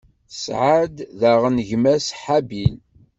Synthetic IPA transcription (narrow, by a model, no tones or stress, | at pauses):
sʕad̪ðæʁənʝmæsħabil